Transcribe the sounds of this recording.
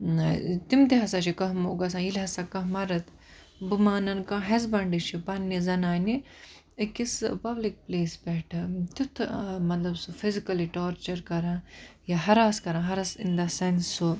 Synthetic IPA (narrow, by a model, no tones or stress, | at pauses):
t̪imt̪iɦɐsaːt͡ʃikɐɦmoːɡɐs̬ãjilɦɐsakɐɦmɐɾɐt̪ | bumaːnɐnkãːɦɐzbɐɳɖiʃʰipɐnːizɐnaːni | kispɐblik̚pleːsbɛʈʰɐt̪ut̪ʰmɐt̪lɐbsufʰizikɐliʈoːɾt͡ʃɐɾkɐɾãːjaɦɐɾaːskɐɾãːɦɐɾɐsind̪ɐsɐnsu